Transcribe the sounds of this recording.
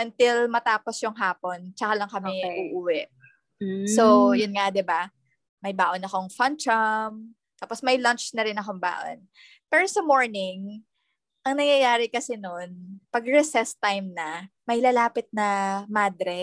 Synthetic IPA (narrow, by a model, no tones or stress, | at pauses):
ʔɐnt̪ɪlmɐt̪aːposjʊŋɦaːpo̞nt͡ʃɐkalɐŋkɐmɛʔuːʔuwɛʔ̩ | sojʊnŋad̪ɪba | mɐjbaːʔonɐko̞ŋfɐnt͡ʃɐm | t̪aːposmɐjlɐnt͡ʃnɐɾɪnɐkomba̰ːʔo̰n | pɛːɾosɐmo̞ɹnɪŋ | ʔɐŋnɐŋjɐjaːɾɛkɐsɛnonpɐɡɹɛsɛst̪ajmnɐmɐjlalaːpɪt̪̚nɐmaːd̪ɾɛ